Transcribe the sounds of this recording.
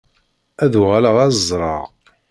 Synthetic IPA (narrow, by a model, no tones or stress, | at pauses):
æðuʁaləʁæzzˤɾˤɑ̰ʁ